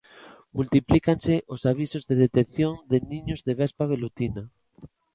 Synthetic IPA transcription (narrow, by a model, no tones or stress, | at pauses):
mult̪iplikanseʔosaβ̞isozðeðet̪ekθjond̪enĩɲozðeβɛspaβ̞elut̪ina